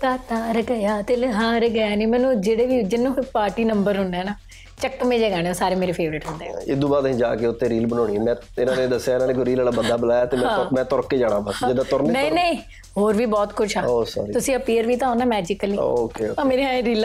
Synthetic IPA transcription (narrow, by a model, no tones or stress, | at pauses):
t̪ãːt̪aːɾəɡəjaːt̪elɦãːɾəɡəjaːniːmɛ̃ːnũːd͡ʒeːɽeːʋiːd͡ʒɪnːõːpaːɾʈiːnəmbəɾɦʊ̃nd̪ɛːnaː | t͡ʃəkːmẽːd͡ʒeːɡɛːɽ̃eːoːsaːɾeːmeːɾeːfʰeːʋɾɪʈɦʊ̃nd̪eːɪd̪uːbaːd̪ĩd͡ʒa̰ːkeːʊt̪ʰːẽːɾiːlbənɔːɽ̃iːɛmɛ̃ː | ɪnãːned̪əsːjaːɪnãːneːkoɾiːlaːlaːbənd̪aːbəlaːjaːt̪eːmɛ̃ɦãːmɛ̃ːt̪ɔɾkeːd͡ʒaːɽ̃ãːbad͡ʒed̪aːt̪ɔɾnnəĩnəĩː | ɦoːɾʋiːbɔːt̪kʊt͡ʃʰaoːsa̰ːɾit̪ʊsĩːəpiːəɾʋiːt̪ãːoːnaːmɛːd͡ʒɪkəliːokeoãːmeːɾeãːẽɾiːlː